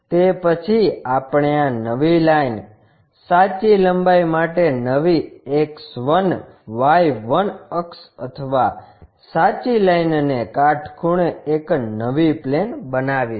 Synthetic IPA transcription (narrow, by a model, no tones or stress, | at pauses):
t̪epət͡ʃʰiapɳeãnəʋilain | sat͡ʃiləmbaimaʈenəʋieksʋən | ʋajʋənəksə̰t̪ʰəʋa | sat͡ʃilajnnekaʈʰkʰuɽ̃eeknəʋiplenbənaʋi